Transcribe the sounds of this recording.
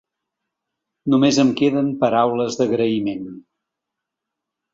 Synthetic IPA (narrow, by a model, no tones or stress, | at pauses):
numezəmkeðəmpəɾawləzðəɣɾəimen